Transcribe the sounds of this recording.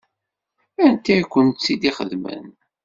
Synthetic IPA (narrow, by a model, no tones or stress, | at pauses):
ænt̪ːikʷːənt̪sid̪iχəðmə̰n